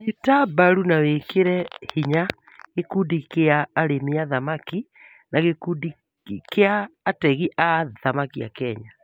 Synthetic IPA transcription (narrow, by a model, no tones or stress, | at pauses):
jutabaɾunawekeɾɛhiɲa | ɣekundikeaːɾemeaðamaki | naɣekudi | keaːtɛɣiʔaðamakia̰kɛɲa